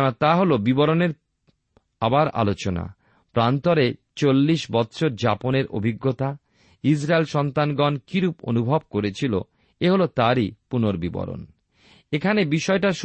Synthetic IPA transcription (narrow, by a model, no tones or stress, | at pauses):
at̪aɦolobibɔɾoneɾ | abaɾa̰lot͡ɕona̰ | pɾant̪ɔɾe | t͡ɕolːiʃbɔt̪ːɕʰoɾd͡ʑaponeɾʔo̰bʱiɡːot̪a | is̬ɾaelʃɔnt̪anɡɔnkiɾupo̰nubʱɔb̚koɾet͡ɕʰilo̰ | eɦolot̪aɾipunoɾbibɔ̰ɾo̰n | ekʰanebiʃɔeʈaʃ